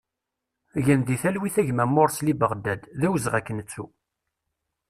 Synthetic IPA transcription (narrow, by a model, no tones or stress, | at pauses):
ʝənd̪iθælwiθæʝmæmːoɾˤslibəʁd̪æd̪ðæwəzʁækːənət͡sːu